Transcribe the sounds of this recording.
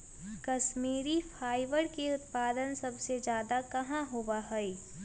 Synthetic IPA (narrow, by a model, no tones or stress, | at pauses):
kɐʃmiːɾifʰaːɪʋəɾkeʊt̪paːd̪ənsɐbsed͡ʒjaːd̪akɐɦãɦobaɦɛi